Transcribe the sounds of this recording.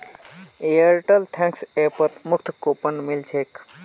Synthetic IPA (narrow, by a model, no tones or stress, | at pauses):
eəɾʈəlt̪ʰɛ̃ŋksepət̪mukt̪ʰkopənmilt͡ʃʰek